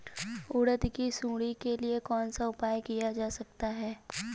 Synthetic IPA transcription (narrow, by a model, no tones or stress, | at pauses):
ʊɽət̪kisũːɽikeliekɔːnsaʊpaːjkijad͡ʒaːsɐk̚t̪aɦɛː